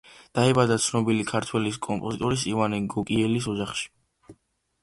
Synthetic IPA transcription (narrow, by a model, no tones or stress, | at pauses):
d̪̥aɛbad̪at̪sʰnɔbilikʰaɾt̪ʰwɛliskʼɔmpʼɔzit̪ʼɔɾisivaniɡɔkʼiɛlisɔd͡ʒaχʃi̥